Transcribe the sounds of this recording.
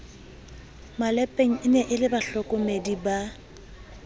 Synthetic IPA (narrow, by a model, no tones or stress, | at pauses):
malɛpʼeŋ̩ɪnɛʔɪlɪbaɬɔkʼʊmediba